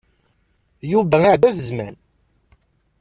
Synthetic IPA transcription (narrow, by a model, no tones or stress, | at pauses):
juvæaʕd̪æθəzmæn